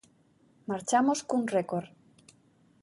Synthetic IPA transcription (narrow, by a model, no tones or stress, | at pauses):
maɾt͡ʃamoskunrekoɾ